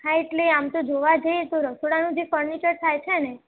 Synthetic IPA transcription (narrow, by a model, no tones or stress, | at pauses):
ɦaeʈleamt̪od͡ʒoʋad͡ʒəjet̪oɾəsoɽanũd͡ʒefəɾnit͡ʃəɾt̪ʰajt͡ʃʰene